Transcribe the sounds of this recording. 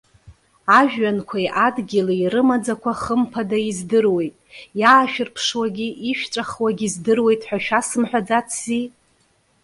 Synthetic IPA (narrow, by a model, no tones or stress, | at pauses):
aʒᶣːankʷʰajʔadɡʲiliiɾɨmad͡zakʷʰaχəmpʰadaizdɨrwe̞jtʼjaːʃᶣɪrpʰʂwaɡʲiʔiʃᶣʈ͡ʂʼaχwaɡʲizdɨrwe̞jtʼħʷᶣaʃᶣasɨmħᶣad͡zat͡sʰzi